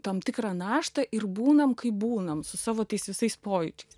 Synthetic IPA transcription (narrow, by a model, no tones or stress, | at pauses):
t̪ɐmt̪ʲɪkɾɐːnɑːʃt̪ɐʔɪɾbuːnɐmkɐɪbuːnɐmsʊsɑːʋoːt̪ɐɪsʋʲɪsɐɪspoːjɪt͡ʃʲɛɪs